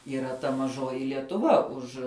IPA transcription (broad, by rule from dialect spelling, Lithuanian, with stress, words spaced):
iːˈrɐ tɐ mɐˈʒoːjɪ lʲiɛtʊˈʋɐ ˈʊʃ